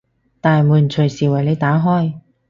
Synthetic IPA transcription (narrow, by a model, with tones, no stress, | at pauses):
t̪aː˨muː˨˩nt͡ʃʰɵ˨˩jsiː˨˩wɐ˨˩jle˨˧jt̪aː˨˥ɦɔː˥j